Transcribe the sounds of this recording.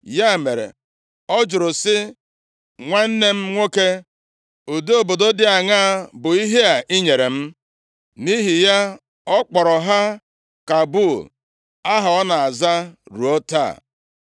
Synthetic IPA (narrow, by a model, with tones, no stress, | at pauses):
ja˦˨me˨ɾḛ˨ | ɔ˦d͡ʒʊ˨ɾʊ˨sɪ˦ | ŋʷa˦n̩˦ne˦m̩˦ŋʷo˦ke˦ | o˨de˦o˨bo˨do˦dɪ˦a˨ŋa˦˨bʊ˨i˦ɦe˦a˨ʔi˦ɲe˨ɾe˨m̩˦ | ni˦ɦi˨ja˦ | ɔ˦k͡pɔ˨ɾɔ˨ɦa˦ | ka˨bʊ˦˨l | a˦ɦa˨ɔ˦na˨a˨za˦ɾu˨o˦ta̰˦˨